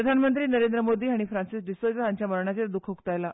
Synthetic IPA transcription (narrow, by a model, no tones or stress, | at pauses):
ɾəd̪ʱanmənt̪ɾiːnəɾend̪ɾəmod̪iːɦaɽ̃ifɾãnsisɖisot͡səɦaɲt͡ɕjaməɾɳat͡ɕeɾd̪ukʰukt̪ajla